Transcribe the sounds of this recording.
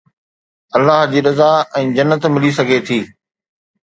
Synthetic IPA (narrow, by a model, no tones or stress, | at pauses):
ɐlːaɦd͡ʑiːɗɐzaɛ̃ːd͡ʑɐnːət̪mɪlis̬ɐɡʱet̪ʰiː